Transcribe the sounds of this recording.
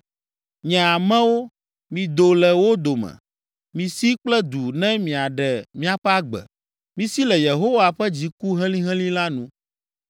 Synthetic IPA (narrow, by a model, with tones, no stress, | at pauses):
ɲɛ̃˨a˨mɛ̃˦wo˦ | mĩ˨d̪o˨lɛ˨wo˦d̪o˨mɛ̰̃˨ | mĩ˨si˦k͡plɛ˦d̪u˨nɛ̃˦mĩ˨a˨ɖɛ˨mĩ˦a˨ɸɛ˦a˦ɡ͡bɛ̰˨ | mĩ˨si˦lɛ˨je˨ɦo˦wa˨ɸɛ˦d͡ʑi˨ku˦ɦɛ̃˦lĩ˦ɦɛ̃˦lĩ˦la˦nũ˨˦